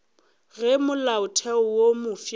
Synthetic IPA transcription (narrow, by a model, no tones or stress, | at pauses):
ɣɛmʊlaʊtʰɛʊwomʊf